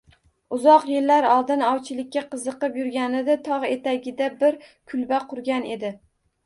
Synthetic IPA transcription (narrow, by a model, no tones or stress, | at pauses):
ʊzɒqjɪlːaɾɒlˠd̪ɪnɒwt͡ʃʰɪlɪkʲːaqʰɨzɨqɨpjʊɾɡʲanɪd̪at̪ʰɒʁe̞t̪ʰaɡʲɪd̪abɪɾkʰʊlbaqʰʊɾɡʲane̞d̪ɪ